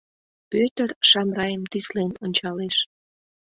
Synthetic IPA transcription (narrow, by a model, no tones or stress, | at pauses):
pøt̪ərʃɑmrɑjəmt̪islenonʲt͡ɕɑleʃ